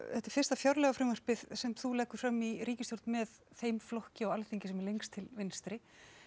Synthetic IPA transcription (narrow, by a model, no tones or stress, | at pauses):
θɛht̪aɛ̥ɾfɪr̥st̪afjaɾlɛɣafɾɪːmar̥pɪðsɛmθulɛːhkʏ̥fɾamːiɾiːcɪst̪owɾt̪nmɛð | θejmflɔhcɪɔɣalθiɲcɪsɛmɛɾlejŋkst̪ʰɪlvɪnst̪ɾɪ